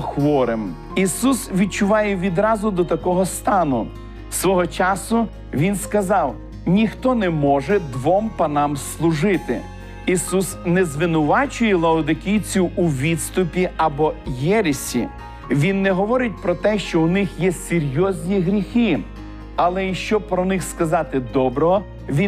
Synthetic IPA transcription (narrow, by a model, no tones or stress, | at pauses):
xʋɔɾɪm | isusʋʲid̪̚t͡ʃʊʋɑjɛʋʲid̪ɾɑzʊd̪ɔt̪ɐkɔɦɔst̪ɑnʊ | sʋɔɦɔt͡ʃɑsʊ | ʋʲinskɐzɑw | nʲixt̪ɔnɛmɔʒɛd̪ʋɔmpɐnɑmslˠʊʒɪt̪ɪ̰ | isusnɛzʋɪnʊʋɑt͡ʃʊjɛlˠɐɔd̪ɪkʲijt͡sʲʊʔuʋʲid̪st̪ʊpʲiɐbɔjɛɾɪsʲḭ | ʋʲinːɛɦɔʋɔɾɪt̚ʲpɾɔt̪ɛʃt͡ʃɔʊnɪxjɛsʲeɾʲjɔzʲnʲiɦɾʲixɪ | ɐlˠɛjiʃt͡ʃɔpɾɔnɪxskɐzɑt̪ɪd̪ɔbɾɔɦɔ | ʋʲi